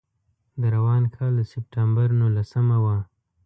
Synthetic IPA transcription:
d̪əɾawɑnkʰɑld̪əsɪp̚ʈambaɾnulasəmawa

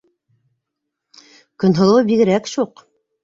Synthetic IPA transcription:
kɵ̆nɦŏlˠɤwbiɣɘ̆ɾækɕuq

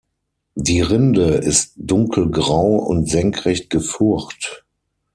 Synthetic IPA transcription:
diːʁɪndəʔɪstd̥ʊŋkʰl̩ɡʁaʊʊ̰ntz̥ɛŋkʁɛçt̚ɡ̥əfʊɐxt

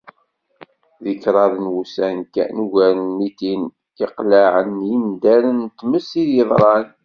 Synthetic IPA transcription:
ðəkɾˤɑðˤənwusænkæ̰nuʝæɾənmit̪in | iqlaʕənjind̪æɾənt̪ːməsiðjəðˤɾˤɑn

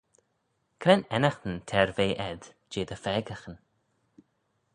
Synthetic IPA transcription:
kʰɾɛnɛnaxt̪ənt̪ʰɛɹveːʔɛd̪ | d͡ʒeːd̪əfɛːɡaxən

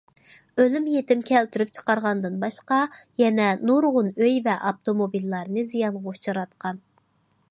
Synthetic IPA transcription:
ølymjet̪ɪmkʲʰɛlt̪ʰyɾyp̚t͡ʃʰə̥qɑɾʁɑnd̪ɨnbɑʃqɑjɛnɛnuɾʁʊnøjvɛʔɑpt̪omobilːɑɾnɨzijɑnʁɑut͡ʃʰɑɾɑt̪̚qʰɑn

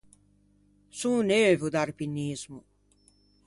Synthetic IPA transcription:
sũːneːvud̪aɾpinːiːzmu

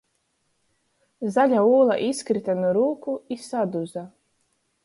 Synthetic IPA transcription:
zalʲauːlˠa̰ʔiskɾit̪anuɾuːkuisad̪uza

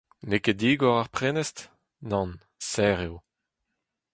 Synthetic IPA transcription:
neked̪iːɡɔʁaʁpχenɛst | nɑ̃n | sɛʁjo

